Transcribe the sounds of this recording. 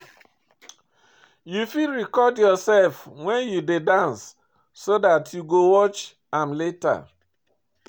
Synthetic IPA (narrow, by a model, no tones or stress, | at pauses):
jufiɹikɔdjɔsɛlfwɛ̃njudedãnsː | odatʰjuɡowɔt͡ʃ | ãnleta̰